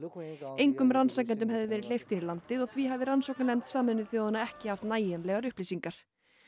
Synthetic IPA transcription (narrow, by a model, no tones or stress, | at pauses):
ejŋkʏmransak̬̪ɛnt̪̬ʏmɦɛvðɪvɛːɾɪlejft̪inɪɾlant̪ɪðɔɣθviɦavɪɾansowknanɛmt̪saːmɛnːɪθiahanːaɛhcɪhaft̪naːjɛnlɛɣaɾʏhplejsiŋkaɾ̥